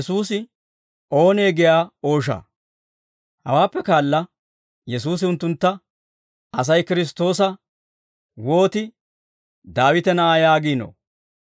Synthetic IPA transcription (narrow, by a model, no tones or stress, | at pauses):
suːsɪ | o̞ːneːɡɪjaːo̞ːʃ̬a̰ː | hɐ̰waːpːɛkaːlːɐ | jɛsuːs̬ɪʊnt̪ːʊnt̪ːɐ | ɐs̬ɐjkɪɾɪs̬t̪o̞ːs̬ɐ | wo̞ːt̪ɪ | d̪aːwɪt̪ɛnɐʔaːjaːɡiːno̰ː